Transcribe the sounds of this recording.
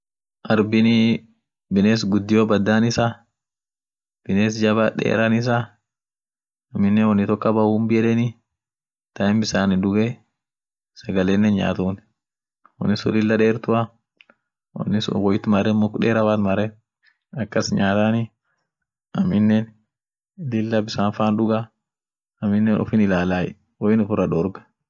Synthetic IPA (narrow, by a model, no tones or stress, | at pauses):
ʔɐɾbɪni | bɪneːs̬ɡʊd̪ːɪjoːbɐd̪ːaːnɪsa | b̥ɪneːsd͡ʒɐbɐᶑḛːɾɐnɪs̬a | ɐmːɪnːɛnwɔnːɪt̪ɔkːɐbɐuːmbɪɛlɛnɪ | t̪ɐɪmbɪsaːnɪd̪ʊɡɛ | sɐɡɐleːnːɛnɲa̰ːt̪uːn | wɔ̰nːɪsʊ̰lɪlːɐᶑeːɾt̪ʊa | wɔ̰nːɪsʊ̰wɔjɪt̪mɐɾɛmɔkᶑeːɾɐwaːt̪mɐɾɛ | ɐkːɐsɲaːt̪ani | ʔɐmːɪnːɛn | lɪlːɐbɪsaːnfaːnᶑʊɡa | ɐmːɪnːɛnʔɔ̰fɪnɪlaːlaːjɛ | wɔjɪnʊfʊɾɐᶑɔɾɡɐ̥